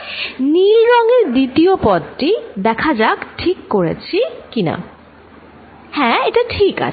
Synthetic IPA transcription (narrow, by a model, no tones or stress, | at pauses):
nilɾɔŋeɾd̪it̪iopɔd̪ʈid̪ɛkʰad͡ʑakʈʰikːoɾḛt͡ɕʰikina̰ | hɛ̃eʈaʈʰika̰